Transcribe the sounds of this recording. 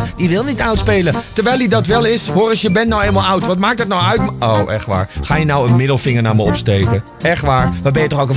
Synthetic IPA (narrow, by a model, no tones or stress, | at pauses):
diʋɪlˠnitœwtspeːlətəɹʋɛjlidɔtʋɛlˠɪshoərɔsjəbɛntnɔwemalˠawtʋɔtmaːk̚tətnɔwœɥtowʔɛ̰xʋa̰ːɹxaːjənɔwənmɪdəlˠfɪŋəɹnaːməo̰psteːkə | ɛxtʋaːɹʋɔbɛjətɔxowkə